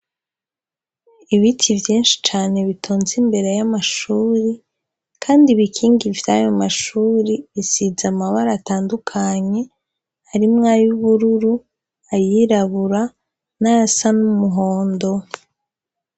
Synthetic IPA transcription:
iβitʰivjiːnʃi̥t͡ʃaːne̞βitʰoːnzimbe̞ɾe̞jamaʃuːɾi | kʰaːndiβikʰiːŋɡivjajomaʃuːɾiβisizamaβaɾaːtaːndukʰaɲe̞ | haɾimŋaːjuβuɾuɾu | ajiɾaβuɾa | naɾasanumuɦoːndo̞

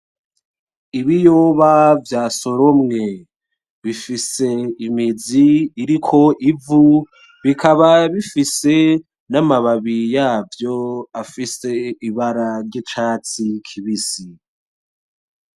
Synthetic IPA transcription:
iβijoβavjaːso̞ɾo̞mŋe̞ | βifise̞imiziːɾikʰo̞ʔivu | βikʰaβaβifise̞ | namaβaβijaːvjo̞afise̞iβaɾaɾɟet͡ʃaːt͡sikʰiβisi

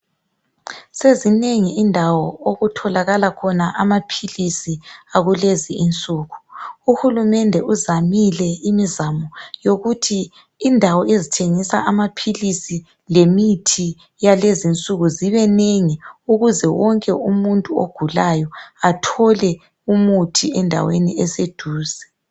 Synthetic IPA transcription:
sezineŋiindʱawɔoɣutʰɔlaɣalakʰɔnaʔamapʰilisiaɣuleziːnt͡sʼuːɣuuhulumɛndʱɛʔuzamilɛimizamɔjoɣutʰiː | ndʱawɔʔezitʰeŋisa̰ʔamapʰilisi | lemitʰi | jalezint͡sʼuɣuziβɛneŋiuɣuzɛwɔŋkʼɛumuntʼuo̰ɡ̥ʱulajɔatʰɔlɛ | umutʰiɛndʱa̰wenḭɛsed̥ʱuːzɛ

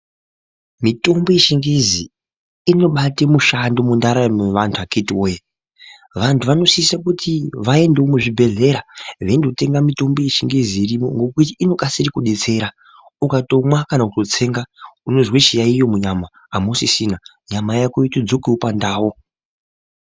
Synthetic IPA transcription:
mito̞mbo̞jeʃiŋɡezi | ino̞ɓatemuʃando̞mundaɾameʋantʰuʋakitiwoje | ʋantʰuʋano̞sisak̬utʰiʋae̞ndeomuʐibʱe̞ɮe̞ɾaʋeindote̞ŋɡamito̞mbo̞jeʃiŋɡeziːɾimo̞̰ŋɡo̞kutiːno̞kasiɾikuɗe̞t͡se̞ɾa | ukato̞mwakanautot͡se̞ŋɡauno̞zweʃijaijo̞muɲamaːmosisina | ɲamajakoitod͡zokiwupandaːwo

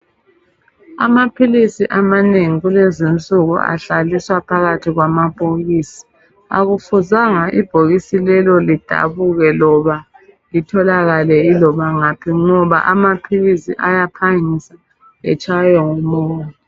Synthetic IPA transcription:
amapʰilisiʔamaneŋiɣulezin̩t͡sʼuɣṵa̰ɬaliswapʰaɣatʰiɣwamab̥ʱoɣiːsi̥ | a̰ɣufuzaŋaʔib̥ʱoɣisilɛlɔlid̥ʱa̰βuɣɛlɔβa | litʰɔlaɣalɛilɔβaŋapʰiŋɔβa̰ʔamapʰilisḭʔajapʰaŋisa | ɛ̰t͡ʃʼajɔŋɔmɔːjɔ

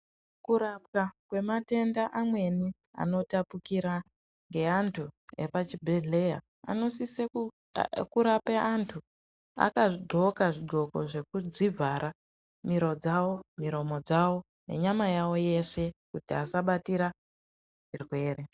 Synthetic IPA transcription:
kuɾapkakwe̞mate̞ndaʔamwe̞ni | a̰no̞tapukiɾa | ŋɡe̞antʰue̞̰pat͡ʃibʱeɮe̞ja̰ | a̰no̞sise | kuɾapeʔantʰu | a̰kaʐiɡ͡ǃʱo̞kaʐiɡʱo̞ko̞ʐe̞kud͡zivʱaɾʔa | miɾo̞d͡zawo̞miɾo̞mo̞d͡zawo̞ | ne̞̰ɲamajawo̞je̞se̞kutiasaɓatiɾa | ʐirwe̞ːre

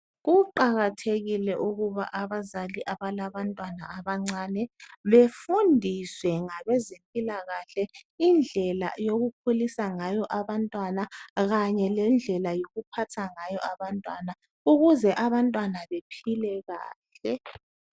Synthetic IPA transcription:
ɣuǃaɣatʰeɣilɛʔuɣuβa̰ʔaβazaliʔaβalaβantʼwanaːβaŋ͡ǀanɛβefundʱiswɛŋaβɛzempʼilaɣaɬɛind͡ɮʱɛla̰joɣukʰolisaŋajɔʔaβantʼwanaɣaɲɛlɛnd͡ɮʱɛlajoɣupʰatʰaŋajɔʔaβantʼwana | uɣuzɛʔaβantʼwanaβepʰilɛɣaːɬɛ

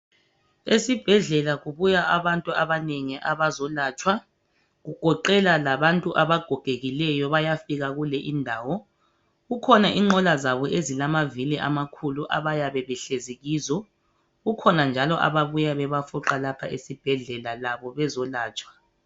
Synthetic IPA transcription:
esib̥ʱɛɮɛlaɣuβujaʔaβantʼuaβaneŋiʔaβazɔlaːt͡ʃʼwa | ɣuɡ̥ʱɔǃɛlalaβantʼuʔaβaɡ̥ʱɔɡ̥ʱeɣilɛjɔβajafiɣaɣulɛʔindʱaːwɔ | ɣukʰɔnaʔiŋ͡ǃʱɔlazaβɔʔezilamaviliʔamakʰuluʔa̰βajaβɛβɛɬeziɣiːzɔ | ɣukʰɔnand͡ʒʱalɔʔa̰βaβujaβɛβafuǁalapʰaʔesib̥ʱɛɮɛlalaβɔβɛzɔlaːt͡ʃʼwḁ

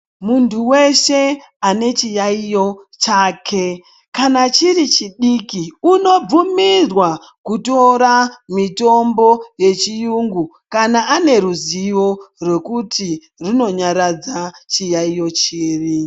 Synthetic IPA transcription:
muntʰuwe̞ʃe̞ | ane̞t͡ʃijaijo̞t͡ʃaːke̞ | kanat͡ʃirit͡ʃiɗikiuno̞b͡vumirwa | kuto̞ɾamito̞mbo̞je̞t͡ʃijuŋɡu | kanaʔane̞ɾuziʋo̞rwe̞kutʰi | rino̞ɲaɾad͡zat͡ʃijaijo̞t͡ʃiːri

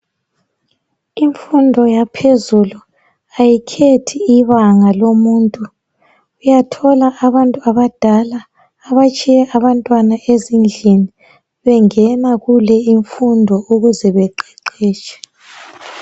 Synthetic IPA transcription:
iɱfundʱɔjapʰezulu | ajikʰetʰiiβaŋalomuːntʼu | ujatʰɔlaʔaβantʼuaβad̥ʱalaː | βat͡ʃʼijɛʔaβantʼwanaʔezind͡ɮʱini | βɛŋɛnaɣulɛiɱfundʱɔuɣuzɛβɛǃɛǃɛːt͡ʃʼɛ̥

